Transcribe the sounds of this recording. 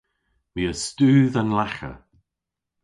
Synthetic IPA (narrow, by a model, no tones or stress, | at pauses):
wiːəstʉːðənlaxə̰